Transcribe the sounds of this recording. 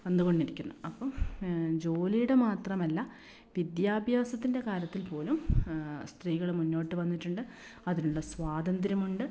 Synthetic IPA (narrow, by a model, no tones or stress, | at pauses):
end̪uɣo̞ɳɖiɾikʲːunːuɐpːɐmd͡ʑo̞ːlijuɽemaːt̪rɐmɐlːɐ | ʋid̪jaːbʱjaːsɐt̪ːinde̞kaːljɐt̪ːilpo̞ːlumst̪riːɣɐɭmunːo̞ːʈːɨʋɐnːiʈːuɳɖɨ | ɐðinuɭːɐsʋaːd̪ɐnd̪ɾɐmuɳɖɨ